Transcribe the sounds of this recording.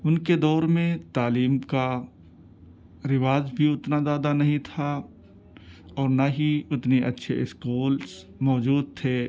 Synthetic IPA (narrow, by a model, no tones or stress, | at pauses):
ʊnked̪ɔːɾmẽt̪aːliːmka | ɾɪʋaːzbʱiʊt̪nad̪aːd̪anɐɦĩt̪ʰa | ɔːɾnaɦiʊt̪neʔɐtːʃʰeɪskuːls | mɔːd͡ʒuːd̪̚t̪ʰeː